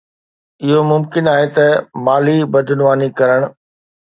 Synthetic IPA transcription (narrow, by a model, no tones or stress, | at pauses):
ɪɦomʊmkɪnaːɦet̪ɐmaːlibɐd̪ʱʊnʋaːnikɐɾəɽ̃̆